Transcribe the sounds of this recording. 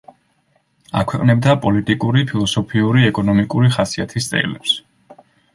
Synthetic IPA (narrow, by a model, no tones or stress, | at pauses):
a̰kʰwɛqʼnɛbd̪apʼɔlit̪ʼikʼuɾipʰilˠɔsɔpʰiuɾiɛkʼɔnɔmikʼuɾiχasiat̪ʰist̪sʼɛ̰lɛps